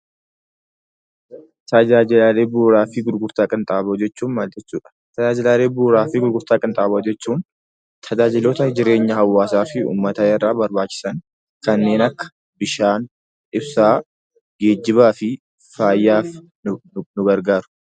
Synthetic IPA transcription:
t̪ɐd͡ʒaːd͡ʒɪlaːleːbuːɾaːfɪɡʊɾɡʊɾt̪aːkʼɪnt̪ʼaːboːd͡ʒɛt͡ʃːuːnmaːlt̪ʼɪt͡ʃːuːᶑɐ̥t̪ɐd͡ʒaːd͡ʒɪlaːleːbuːɾaːfɪɡʊɾɡʊɾt̪aːkʼɪnt̪ʼaːboːd͡ʒɛt͡ʃːuːn | t̪ʰɐd͡ʒaːd͡ʒɪloːt̪ɐd͡ʒɪɾe̞ːɲːɐhɐwːaːsaːfɪṵːmːɐt̪ɐɪrːaːbɐɾbaːt͡ʃːɪ̥sɐn | kɐnːe̞ːnɐkːɐ̥ | bɪʃaːn | ɪbsaː | ɡe̞ːd͡ʒːɪβaːfɪ | faːjːaːf | nʊɡɐɾɡaːɾʊ̥

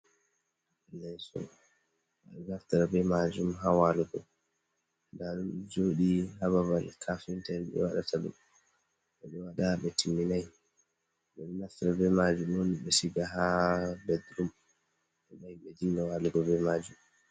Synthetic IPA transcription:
alːɛjsɔ̰ | a̰ɗɔɡaftaɾabɛmad͡ʒumɦawaluɡɔ | ndaɾud͡ʒoɗiɦaβabalkʰafintɛnɓɛ̰waɗa̰taɗṵm | ɓɛɓɛwaɗaɓɛtʰimːinaj | ɓɛɗɛnaftaɾabɛmad͡ʒumoniɓɛsiɡaɦabɛd̪ɾum | ɓɛɓajɓɛdiŋɡawaluɡɔbɛmad͡ʒum

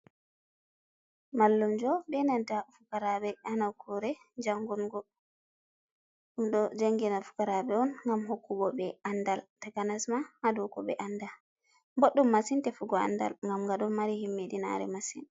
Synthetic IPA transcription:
malːumd͡ʒɔbɛnadafukaɾabɛanakʰɔɾɛ | d͡ʒaŋɡunɡɔ | ɗumɗɔd͡ʒaŋɡinafu̥kaɾabɛɔnŋɡamhokːuɡɔbɛandaltaɡanasmahadɔkɔɓɛ̰ʔanda | boɗːumːasintɛfuɡɔa̰nda̰lŋɡamɡaɗɔnmːaɾihimːiɗina̰ɾɛ̰masḭn

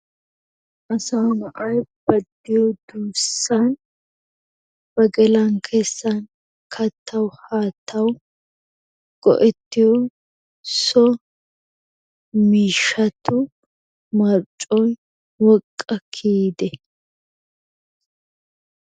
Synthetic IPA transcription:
ʔɐsɐwnɐʔɐjb̥ɐd̪ːɪjɔd̪uːsːɐn | b̥ɐɡɛlɐŋkʰeːsːɐn | kʰɐt̪ʰːɐwhaːt̪ʰːɐw | ɡ̥ɔ̰ʔɛt̪ːɪjɔ | sɔ | miːʃːɐt̪ʊ | mɐɾt͡ʃʼːɔj | wɔkʼːɐkʰiːd̪ɛ

